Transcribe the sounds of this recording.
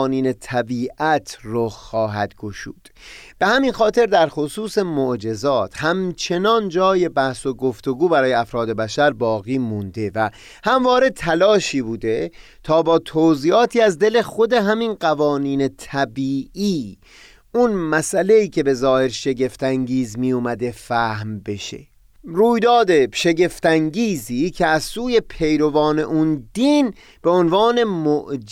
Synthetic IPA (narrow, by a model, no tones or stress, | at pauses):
niːne̞t̪ʰæbiːʔæt̪ʰroxɒːɦæ̰d̪ɡ̥oʃṵːd̪̥b̥e̞hæminxɒːt̪ʰe̞ɾd̪æɾxosuːse̞moʔd͡ʒe̞zɒːt̪ʰhæmt͡ʃʰe̞nɒːnd͡ʒɒːje̞bæhso̞ɡoft̪oɡuːbæɾɒːjeæfɾɒːd̪e̞bæʃæɾbɒːɣiːmund̪e̞væ | hæmvɒːɾe̞t̪ʰælɒːʃiːbuːd̪e̞ | t̪ʰɒːbɒːt̪ʰoziːɒːt̪ʰiːæzd̪e̞le̞xo̞d̪e̞ɦæminɢævɒːniːne̞t̪ʰæbiːʔiː | unmæsʔæle̞iːcʰe̞be̞zɒːhe̞ɾʃe̞ɟe̞ft̪ʰæŋɟiːzmijuːmæd̪e̞fæːhmbe̞ʃḛ | ruːjd̪ɒːd̪e̞ʃe̞ɡe̞ft̪æŋɟiːziːcʰeæzsuːje̞pʰe̞jɾo̞vɒːne̞̰ʔund̪iːn | b̥e̞onvɒːne̞moʔ